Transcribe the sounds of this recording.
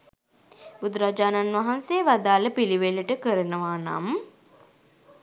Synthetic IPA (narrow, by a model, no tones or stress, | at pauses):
bud̪uɾad͡ʒaːnanʋaɦanseːʋad̪aːləpiliʋeləʈəkəɾənəʋaːna̰m